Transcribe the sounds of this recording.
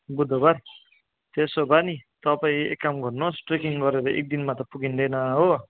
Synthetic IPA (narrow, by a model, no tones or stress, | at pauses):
bud̪ʱobʌɾ | t̪esobʌnit̪ʌpaĩḛkːamɡʌrnosʈrekiŋɡʌɾeɾʌʔḛk̚d̪inmat̪ʌpuɡind̪ʌjnʌɦo